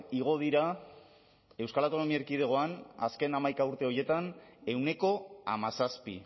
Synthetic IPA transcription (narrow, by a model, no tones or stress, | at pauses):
iɣ̞o̞ð̞iɾa | e̞wskalawt̪o̞no̞miaeɾkið̞e̞ɣ̞o̞ana̰ske̞namajkauɾt̪e̞o̞je̞t̪ane̞wne̞ko̞a̰masaspḭ